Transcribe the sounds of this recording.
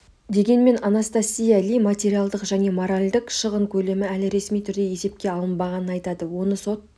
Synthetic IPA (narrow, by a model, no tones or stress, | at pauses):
d̪e̞ɡʲe̞nme̞nanast̪asʲːijalijmat̪ʲe̞ɾijalˠd̪əqʒæne̞moɾalʲd̪ɪqʃəʁəŋkʲʰɵle̞mɪælɪɾe̞smijt̪ʰʏɾd̪e̞je̞se̞p̚kʲe̞ɑlˠənbɑʁɑnənɑjt̪ɑd̪əwo̞nəso̞t̪̚